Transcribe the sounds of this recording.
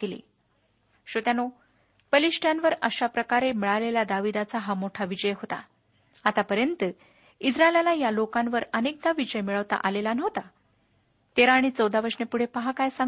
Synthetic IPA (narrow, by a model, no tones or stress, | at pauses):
kelḭ | ɕot̪jano | pəliɕʈjãnʋəɾəɕapɾəkaɾemiɭalelad̪aʋid̪at͡saɦamoʈʰaʋid͡ʑəjɦot̪a̰ | at̪apəɾjənt̪ə | id͡zɾaelalajalokãnʋəɾənek̚d̪aʋid͡ʑəjmiɭəʋt̪a̰ʔalelanəʋt̪a | t̪eɾaːɽ̃it͡səwd̪aʋəɾʂnepuɽ̤epəɦakajsa